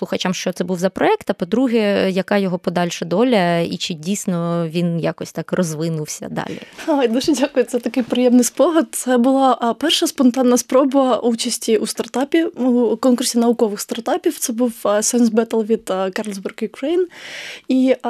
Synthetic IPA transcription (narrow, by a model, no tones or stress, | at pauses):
slˠʊxɐt͡ʃamʃt͡ʃɔt̪sɛbuwzɐpɾɔɛkt̪ɐpɔd̪ɾuɦɛjɐkɑjɔɦɔpɔd̪ɑlʲʃɛd̪ɔlʲɐit͡ʃɪdʲijsʲnɔʋʲinjakɔsʲt̪ɑkrɔzʋɪnʊwsʲɐ̰d̪ɑ̰lʲḭajd̪uʒɛdʲakʊjʊt̪sɛt̪ɐkɪjpɾɪjɛmnɪjspɔɦɐd̪̚t̪sɛbʊlˠɑʔpɛrʃɐspɔnt̪ɑnːɐspɾɔbɐut͡ʃɐsʲtʲiʔust̪ɐrt̪ɑpʲiukɔnkʊrsʲinɐʋʊkɔʋɪxst̪ɐrt̪ɑpʲiwt̪sɛbuwsɛnsbɛt̪ɐlˠʋʲid̪̥kɑrlʲzbɛrɡjʊkɾejni